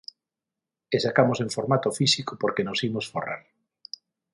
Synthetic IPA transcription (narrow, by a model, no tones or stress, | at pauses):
esakamosẽŋfoɾmat̪ofisikopoɾkenosimosfo̰ra̰ɾ